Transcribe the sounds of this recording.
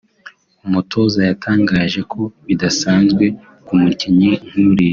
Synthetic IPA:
umutʰo̞ːzajatʰaːŋɡaːʒe̞kʰo̞βidasaːnzɡwe̞ | kumuciɲiŋ̥huɾi

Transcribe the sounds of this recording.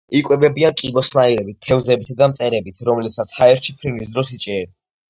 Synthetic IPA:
ikʼwɛbɛbiankʼibɔsnaiɾɛbit̪̚t̪ʰːɛvzɛbit̪ʰd̪amt̪sʼɛɾɛbit̪ʰɾɔmlɛbsat̪sʰhaɛɾt͡ʃʰipʰɾinisd̪ɾɔsit͡ʃʼɛɛɾi

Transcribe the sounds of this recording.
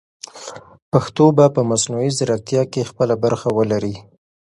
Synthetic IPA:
paxt̪obapəmasnuizaɾak̚t̪jɑkexpəlabaɾxawəlaɾi

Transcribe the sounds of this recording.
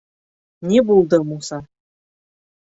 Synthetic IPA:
nʲebulˠd̪ɤ̆musɑ

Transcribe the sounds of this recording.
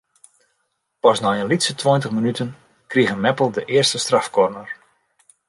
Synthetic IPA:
pɔsnɔjənlitsətʰwɔjntəχmənytən | kriɣənmɛpəlˠdəʔɪərstəstrafkɔrnər

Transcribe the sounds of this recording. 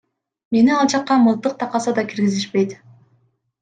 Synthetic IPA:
me̞niɑlˠt͡ʃɑqːɑmɯlˠt̪ːɯq̚t̪ʰɑqɑsɑd̪ɑkiɾɡiziʃpe̞jt̪

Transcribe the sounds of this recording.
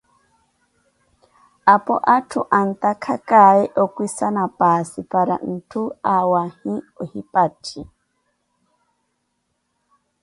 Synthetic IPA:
apɔʔatʰuʔant̪akʰakaɛʔɔkʷwisanapasipaɾa̰n̩tʰuawahĩɔhipatʰi

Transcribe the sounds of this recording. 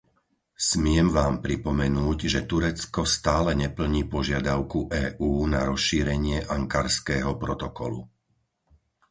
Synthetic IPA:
smɪɛmʋaːmpɾipɔmɛnuːɟʒɛt̪uɾɛt͡skɔst̪aːlɛɲɛpl̩ɲiːpɔʒɪad̪aʊkuʔɛːʔuːna̰ɾɔsʃiːɾɛɲɪɛʔaŋkaɾskɛːɦɔpɾɔt̪ɔkɔ̰lṵ

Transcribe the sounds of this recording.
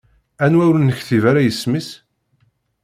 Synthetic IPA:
ænwæwɾnəçθivaɾajəsməs

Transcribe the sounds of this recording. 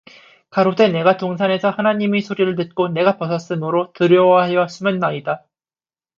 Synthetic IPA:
kaɾode̞ne̞ɡatoŋsʰane̞sʰʌhanaɲimisʰoɾiɾɯɭt̬ɯt̚k͈one̞ɡapʌsʰʌs͈ɯmɯɾotɯɾjʌwahejʌs͈umʌnːaida

